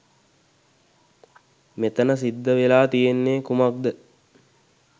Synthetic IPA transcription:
met̪ənəs̬id̪ːəʋelaːt̪ijenːeːkumak̚d̪ə

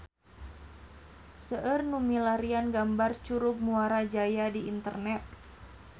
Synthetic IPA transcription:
səʔərnumilaɾianɡambart͡ʃuɾuɡ̚muaɾad͡ʒajadiint̪ərnɛt̪̚

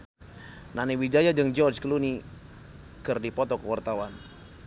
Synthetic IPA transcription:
naniwid͡ʒajad͡ʒəŋd͡ʒɔrd͡ʒkəluni | kərdipɔt̪ɔkəwart̪awan

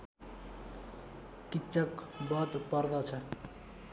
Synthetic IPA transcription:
kitːt͡sʌkbʌt̪pʌrd̪ʌt͡sʰʌ

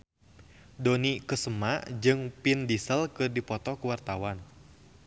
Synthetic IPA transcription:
dɔnikəsəmad͡ʒɨŋpindisəlkɨrdipɔt̪ɔkuwart̪awan

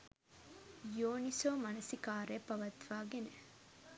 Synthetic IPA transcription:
joːnisoːmɐnɐsikaːɾeːpɐʋɐt̪ʋaːɡene

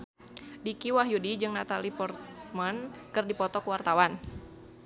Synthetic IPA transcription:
dikiwaɦjudid͡ʒɨŋnat̪alipɔrt̪mankɨrdipɔt̪ɔkəwart̪awan

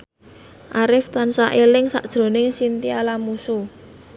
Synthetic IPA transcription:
ʔaɾɪft̪ansaʔelɪŋsa̰ʔd̥ʒ̥ɾo̤nɪŋsint̪ialamusu

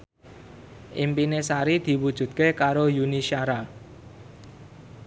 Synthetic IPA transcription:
ʔimpinesaɾid̪̥i̤wud̥ʒ̥ṳt̪̚kekaɾojuniʃiaɾa

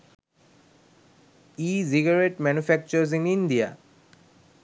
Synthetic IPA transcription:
iziɡaɹeʈmɛnufɛk̚t͡ʃəz̬inind̪ija

